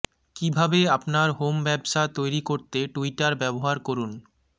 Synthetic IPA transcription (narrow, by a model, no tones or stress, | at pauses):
kibʱabeapnaɾɦombɛbʃat̪ojɾikoɾt̪eʈuiʈaɾbɛboɦaɾkoɾun